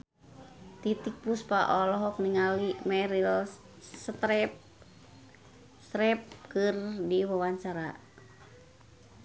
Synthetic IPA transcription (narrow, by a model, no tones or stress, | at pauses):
t̪it̪ik̚puspaʔɔlɔɦɔk̚niŋalimɛɾil | sət̪ɾɛp̚ | st̪ɾɛp̚kɨrdiwawaɲt͡ʃaɾa